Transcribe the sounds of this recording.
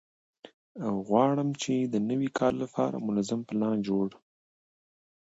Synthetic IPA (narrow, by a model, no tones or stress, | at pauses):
awɣwɑɽəmt͡ʃed̪ənəwikʰɑɾlapʰɑ̰ɾa̰mʊnazampəlɑ̃d͡ʒoɽ